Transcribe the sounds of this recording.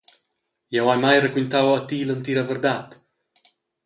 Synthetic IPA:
jɛwajmajrəkwint̪awat̪ilənt̪iɾavəɾd̪at̪

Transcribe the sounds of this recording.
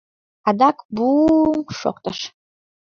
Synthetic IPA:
ad̪akbuŋʂo̰q̚t̪ɐʂ

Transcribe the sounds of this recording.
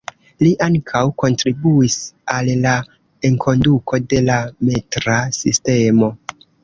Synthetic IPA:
liʔaŋkʰawko̞ntɾibuisalːa | e̞ŋkʰo̞ndukʰo̞de̞lametɾasiste̞mo̞

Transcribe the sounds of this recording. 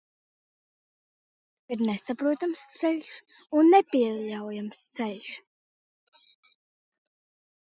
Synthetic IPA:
iɾnɛsapɾuɔt̪amst̪sɛlʲʃunːepʲiɛʎawjamst̪sɛlʲʃ

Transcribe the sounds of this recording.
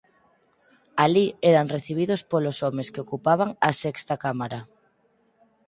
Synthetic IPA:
aliɛɾaŋreθiβ̞iðospolosɔmeskeokupaβ̞aŋasɛkst̪akamaɾa

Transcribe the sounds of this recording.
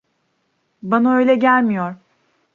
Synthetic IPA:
banaø̞jlʲɛɟælʲmijoɾ

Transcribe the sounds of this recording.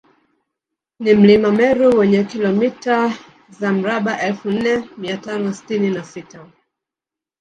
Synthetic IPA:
nim̩limamɛɾuwɛɲɛkilɔmita | zam̩ɾaɓaʔɛlfun̩nɛmiatanɔsi̥tininasita

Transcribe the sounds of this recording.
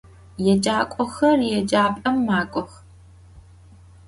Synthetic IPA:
jɛd͡ʒʼaːkʷʼɔxɐrjɛd͡ʒaːpʼɐmːaːkʷʼɔx

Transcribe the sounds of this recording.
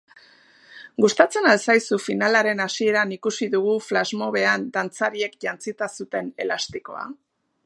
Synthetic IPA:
ɡust̪at͡se̞nalsajsufinalaɾe̞nasie̞ɾanikusiðuɣ̞uflazmo̞β̞e̞and̪ant͡saɾie̞kʝant͡sit̪asut̪e̞ne̞̰last̪iko̞̰a̰

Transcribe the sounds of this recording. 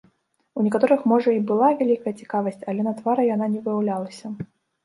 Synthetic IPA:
unʲɛkat̪ɔɾɨxmɔʐɐibɨlˠavʲalʲikɐjɛt͡sʲi̥kavɐsʲt͡sʲɐlʲɛnɐt̪vaɾɨjan̪anʲɛvɨjawlʲalˠɐsʲɐ

